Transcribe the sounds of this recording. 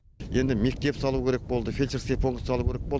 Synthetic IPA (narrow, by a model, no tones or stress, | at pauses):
je̞nd̪ɪme̞k̚t̪e̞psɑlˠuwkʲʰe̞ɾek̚bo̞lˠd̪əfʲilʲt͡ʃeɾskʲepʰoŋkt̪sɑlˠuwkʰʲeɾek̚bo̞lˠ